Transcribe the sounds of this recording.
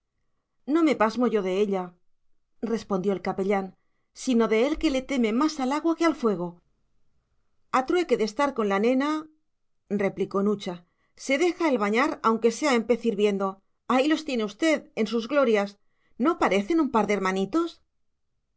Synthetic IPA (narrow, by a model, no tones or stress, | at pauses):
no̞me̞pazmo̞ʝo̞ðe̞eʎa | re̞spo̞nd̪jo̞elkape̞ʎan | sino̞ðe̞elke̞le̞t̪e̞me̞masalaɣ̞wake̞alfwe̞ɣ̞o̞ | at̪ɾuwe̞ke̞ðe̞st̪aɾko̞nlanẽ̞na | re̞pliko̞nut͡ʃa | se̞ðe̞xae̞lβaɲaɾawŋke̞se̞aempe̞θiɾβje̞nd̪o̞ | ailo̞st̪je̞ne̞ust̪e̞ðe̞nsuzɣlo̞ɾjas | no̞paɾe̞θe̞numpaɾðe̞eɾmãnit̪o̞s